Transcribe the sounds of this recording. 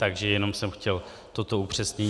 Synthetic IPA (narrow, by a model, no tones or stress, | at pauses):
t̪aɡʒɛjɛno̞msɛmxcɛl | t̪ot̪o̞upr̝̥ɛsɲɛɲ